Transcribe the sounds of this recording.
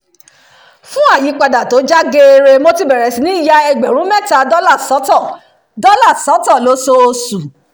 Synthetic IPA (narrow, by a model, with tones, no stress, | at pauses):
fũ˦a˦˨ji˨˦k͡pa˧da˨to˨˦d͡ʒa˦ɡe˧˦e˧ɾe˧mo˦ti˦˨bɛ˨ɾɛ˨si˨nĩ˦i˦˨ja˧ɛ˧ɡ͡bɛ˨ɾ̃ũ˦mɛ˦˨ta˨˦dɔ˦la˦˨sɔ˨˦tɔ˦˨ | dɔ˦la˦˨sɔ˨˦tɔ˦˨lo˨˦so˧o˧su˨